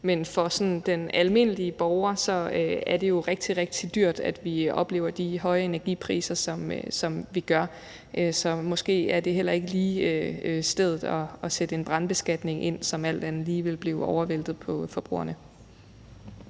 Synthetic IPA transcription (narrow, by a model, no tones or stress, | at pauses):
menfɒ̽sɒ̽nd̥enælme̝n̰əliəb̥ɒʊɐsɒ̽øæɐd̥e̝jo̝ʁeɡ̥̚d̥iʁeɡ̥̚d̥ʰid̥yɐ̰d̥æd̥ʋiɒ̽b̥le̝̰ːʊɐd̥iɦɒ̽ɪɐe̝næɐɡ̥ḭpʰʁḭːsɐsɒ̽msɒ̽mʋiɡ̥ɶɐ | ʔøsɒ̽mɒ̽sɡ̥e̝̰ːæɐd̥e̝ɦel̰ɐe̝ɡ̥əliːøsd̥eð̞ˠð̩ˠɒ̽ːsed̥əe̝nb̥ʁɑ̈nb̥e̝sɡ̥æd̥ne̝ŋʔe̝n̰sɒ̽mæl̰d̥ænð̩ˠliːʋe̝lb̥liːʊɒʊɐʋel̰d̥ð̩ˠpʰɒ̽fɒ̽b̥ʁṵːɐ̰nə